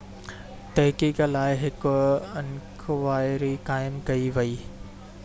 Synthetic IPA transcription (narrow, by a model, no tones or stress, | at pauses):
t̪ɐɦkiːklaːɪɦɪkʊɪnkʰʋaːɪɾikaːɪmkɐiʋɐiː